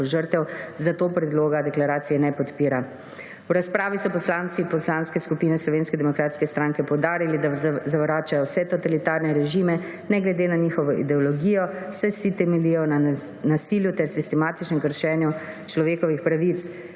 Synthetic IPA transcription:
ʒəɾt̪ɛwzat̪oːpɾɛd̪loːɡad̪ɛklaɾaːt̪sijɛnɛpɔt̪piːɾa | wɾaspɾaːʋisɔpɔslaːnt̪sipɔslanskɛskupiːnɛslɔʋeːnskɛd̪ɛmɔkɾaːt̪skɛst̪ɾaŋkɛpɔwd̪aːɾilid̪azaʋɾaːt͡ʃajɔwsɛt̪ɔt̪alit̪aɾnɛɾɛʒimɛ | nɛɡlɛd̪eːnaɲixɔʋɔʔḭd̪ɛɔlɔɡijɔsɛsit̪ɛmɛlijɔna | nasiljut̪ɛɾsist̪ɛmaːt̪it͡ʃnɛmkəɾʃɛːnju | t͡ʃlɔʋeːkɔʋixpɾaʋit̪s

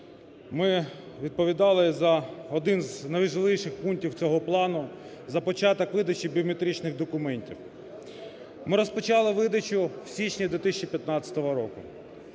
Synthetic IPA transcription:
mɪ | ʋʲid̪̚pɔʋʲid̪ɑlˠɪzɐɔd̪ɪnznɐʋʒɪlˠɪjʃɪxpuŋktʲiwt͡sʲɔɦɔplˠɑnʊ | zɐpɔt͡ʃɑt̪ɔkʋɪd̪ɐt͡ʃibʲiɔmet̪ɾʲit͡ʃnɪɣd̪ɔkʊmɛnʲtʲḭw | mɪɾɔspɔt͡ʃɑlˠɪʋɪd̪ɐt͡ʃʊw̥sʲit͡ʃnʲid̪ʋʲit̪ɪsʲt͡ʃipʲjɐt̪nɑt͡sʲɐ̥t̪ɔʋɔɾɔkʊ̰

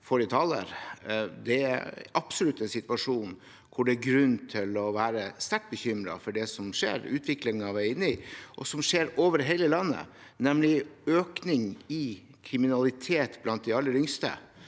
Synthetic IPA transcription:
fɔʈɪt̪ʰɑlə̰ɾd̪ɛæɑpsɔlʉt̪ːɛnsɪt̪ʋɑʂuːn | kʰʊɖɛæɾɡɾʉnːt̪ʰɪlɔʋæːɾəst̪æʈ̚bəçʏmɾɑ̰fɔɖɛsɔmʂḛːɾʉːt̪ʰʋɪklɪŋɑʋæɪnɪʔɔ̰sɔmʂeːɾoːʋəɖɛɦɛɪləlɑnːə̰ | nɛmlɪøːknɪŋɪ | kʰɾɪmɪnɑlɪt̪ʰeːt̪blɑnt̪̚d̪ɪɑlːəɾʏŋst̪ə̰

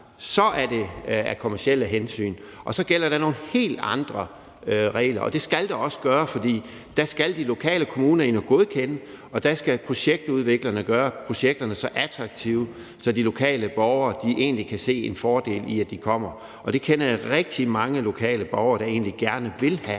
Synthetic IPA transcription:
sɒ̽ʔæɐd̥e̝æɐkʰo̝mæɐsiel̰əɦensy̰ːn | ʔɒ̽sɒ̽ɡ̥el̰ɐɾɑ̈no̝ːn̩he̝̰ːld̥ɑ̈nd̥ʁɐ | ʁɛ̰ːlɐʔɒ̽d̥e̝sɡ̥æld̥ɑɒ̽sə̥ɡ̥ɶːɐfɒ̽d̥ḭː | d̥æsɡ̥æld̥ilo̝kʰɛ̰ːləkʰo̝muːnɐenəɡ̥o̝ð̞ˠkʰenə | ɒ̽d̥æsɡ̥æpʰʁo̝ɕeɡ̥̚d̥uðˠʋe̝ɡ̥lɐnəɡ̥ɶːɐpʰʁo̝ɕeɡ̥̚d̥ɐnəsɒ̽ʔæd̥ʰʁɑ̈ɡ̥̚t͡sʰiːʊ | sɒ̽dilo̝kʰɛ̰ːləb̥ɒʊɐd̥iʔe̝̰ːnlikʰæse̝̰ːe̝nfɒːd̥e̝̰ːliæd̥ikʰɒ̽m̰ɐ | ɒ̽d̥e̝kʰenɐʁɛɡ̥̚d̥imɑ̈ŋəlo̝kʰɛ̰ːləb̥ɒʊɐːɾ̥ɑ̈e̝ːnliɡ̥æɐnəʋe̝lhæ

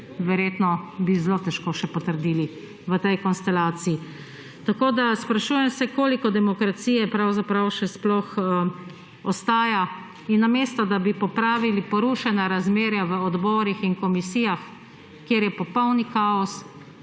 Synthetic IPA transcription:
ʋɛɾjeːt̪nɔbizloːt̪ɛʃkoːʃɛpɔt̪əɾd̪iːli | ʋət̪ɛjkɔnst̪ɛlaːt̪sii | t̪akoːd̪aspɾaʃuːjɛmsɛkoːlikɔd̪ɛmɔkɾat̪sijɛpɾawzapɾawʃɛsplɔx | ɔst̪aːja | inːameːst̪ɔd̪abipɔpɾaːʋilipɔɾuʃɛnaɾazmeːɾjaʋəɔd̪bɔːɾixinkɔmisiːjax | kːjeːɾjɛpɔpɔwnikaːɔs

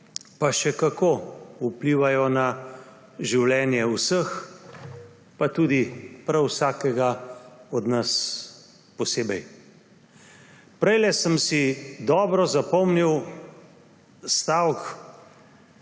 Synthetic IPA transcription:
paʃɛkakoːupliːʋajɔna | ʒiwlɛːnjɛwsəx | pat̪uːd̪ipɾawsaːkɛɡaɔd̪nas | pɔseːbɛj | pɾɛjlɛsəmsid̪ɔːbɾɔzapɔmniw | st̪awk

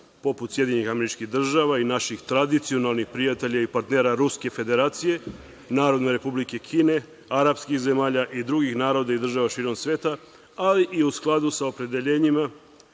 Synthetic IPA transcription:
po̞put̪sje̞d̪ɲeɲixameɾit͡ʃkiɣd̪r̩ʒaːʋainaʃixt̪ɾad̪it̪sio̞nalˠnixpɾiat̪e̞ʎaipaɾt̪ne̞ːɾaɾuske̞fe̞d̪e̞ɾaːt̪sije̞ | naːɾo̞d̪neɾe̞publike̞kʰiːne̞ | aɾapskixze̞maːʎaʔid̪ɾuɡixnaːɾo̞d̪aid̪r̩ʒaʋaʃiːɾo̞msʋe̞ːt̪a | aliʔiusklˠad̪usaopɾe̞d̪e̞ʎe̞ːɲima

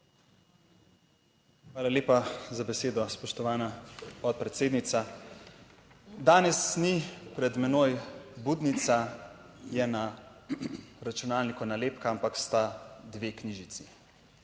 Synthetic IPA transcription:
xʋaːlaleːpazabɛseːd̪ɔspɔʃt̪ɔʋaːnapɔt̪̚pɾɛt̪seːd̪nit̪sa | d̪aːnɛsnipɾɛd̪mɛnoːjbuːd̪nit̪sa | jɛna | ɾat͡ʃunaːlnikɔnaleːpkaampakst̪ad̪ʋeːkniʒit̪si

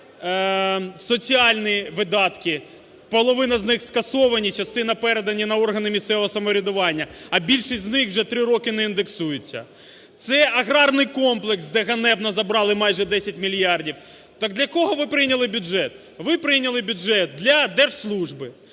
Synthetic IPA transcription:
sɔt͡sʲiɑlʲnʲiʋɪd̪ɑt̪kɪ | pɔlˠɔʋɪnɐznɪxskɐsɔʋɐnʲit͡ʃɐst̪ɪnɐpɛɾed̪ɐnʲːinɐɔrɦɐnɪmʲist̪sɛʋɔɦɔsɐmɔɾʲɪd̪ʊʋɑnʲːɐɐbʲilʲʃisʲznɪxwʒɛt̪ɾɪɾɔkɪnɛind̪eksujʊt͡sʲːɐ̰ | t̪sɛʔɐɣɾɑrnɪjkɔmplˠeksd̪ɛɣɐnɛbnɐzɐbɾɑlˠɪmɑjʒɛd̪ɛsʲɐtʲmʲilʲjɑrdʲiw | t̪ɑk̚d̪lʲɐkɔɦɔʋɪpɾɪjnʲɐlˠɪbʲʊdʒɛt̪ | ʋɪpɾɪjnʲɐlˠɪbʲʊʒɛt̪̚d̪lʲɐd̪ɛrʒslˠuʒbɪ

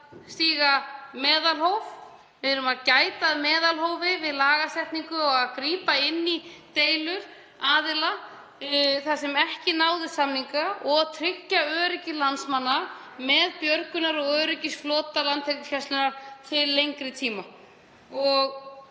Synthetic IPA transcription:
st̪iːɣamɛːðalhowv | mɪɾʏmaðcaːjt̪aːðmɛːðalhɦowvɪvɪðlaːɣasɛht̪niŋkʏɔɣaðkɾiːpaɪnːit̪eːjlʏɾ̥ | aːðɪla | θasɛmɛhcɪnaːwðɪ̥samniŋkaɔɣt̪ʰɾɪcːaœːɾɪcɪlansmanːa | mɛðpjœɾkʏnaɾɔɣœːɾɪcɪsflɔːt̪alant̪ʰɛknʏsçast̪ʏnaɾ̥t̪ʰɪlːejŋkɾɪt̪ʰiːma | ɔɣ

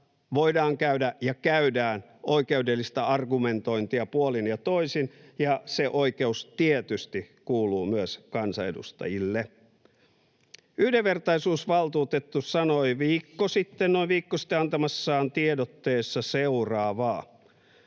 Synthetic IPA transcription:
ʋoidɑːŋkæydæjɑkæydæːn | ʔo̞ikeudelːist̪æɑrɡume̞nt̪o̞int̪iɑpuolinjɑt̪oisinjɑseʔoike̞ust̪iet̪yst̪ikuːluːmyøskɑnsɑedṵst̪ɑ̰jilːe | yhdeʋʋe̞rt̪ɑisuːsʋɑlt̪uːt̪et̪ːussɑnoiʋiːkːosit̪ːennoiʋʋiːkːosi̥t̪ːeɑnt̪ɑmɑsːɑːnt̪iedot̪ːeːsːɑseurɑːʋɑː

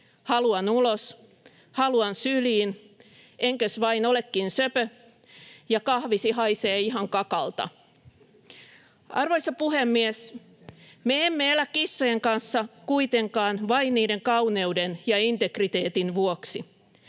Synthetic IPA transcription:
hɑluɑnulos | hɑluɑnsyliːn | eŋkøsʋɑinolekːinsøpø | jɑkɑhʋisiɦɑjseːiɦɑŋkɑkɑ̰lt̪ɑ̰ | ɑ̰rʋoisɑpuhemːies | meemːeelækːisːojeŋkɑnsːɑkuit̪eŋkɑːnʋɑinːiːde̞ŋkɑuwne̞udenjɑint̪ekrit̪e̞ːt̪inʋuoksi

